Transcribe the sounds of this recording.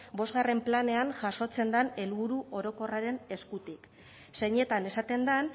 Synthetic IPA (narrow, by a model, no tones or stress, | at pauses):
bo̞zɣare̞mplane̞aŋʝaʃo̞t͡se̞nd̪ane̞lβuɾuʔo̞ɾo̞ko̞raɾe̞ne̞skut̪ik | se̞ɲe̞t̪ane̞sat̪e̞nd̪an